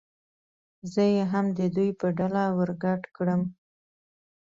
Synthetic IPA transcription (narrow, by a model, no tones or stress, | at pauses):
zəjeɦamd̪əd̪ujpəɖalawəɾɡaʈkɽəm